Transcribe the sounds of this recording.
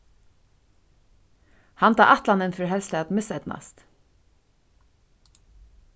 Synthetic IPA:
hant̪a̰ːʔɑht̪lanɛnfʏɾɦɛlslɛat̪mɪsɛt̪na̰st̪

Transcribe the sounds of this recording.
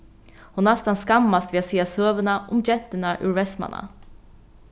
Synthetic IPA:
hʊnast̪anskamːast̪veːaseːasøːʋəɳaʔʊ̰md͡ʒɛt̪ːəɳaʔʉ̰ːɾvɛsma̰na̰

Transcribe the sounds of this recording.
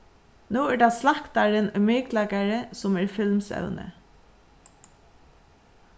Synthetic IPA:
nuːɛɖɑslɑkt̪aɹənʊʏmɪklakaɹəsʊmɛɹfɪlmsœ̰wnə̰

